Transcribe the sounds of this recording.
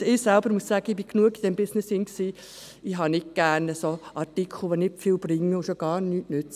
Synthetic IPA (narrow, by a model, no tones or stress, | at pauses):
ɪsælb̥əɾmuəssæːɡ̥əɪb̥iknuəɡid̥ɛmbɪsnesɪŋksiː | ɪɦɑnɪk̚ɡ̥æːnəsoʔɑtikʰl̩ˠʋonɪtfiːlb̥rɪŋːəʊʃoɡ̥ɑːɾnyːtnʉt͡sə